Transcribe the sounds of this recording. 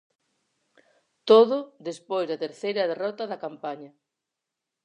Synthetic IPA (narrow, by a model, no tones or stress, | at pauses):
t̪oðʊðespojzðɐt̪eɾθejɾɐðerɔt̪ɐðɐkampaɲɐ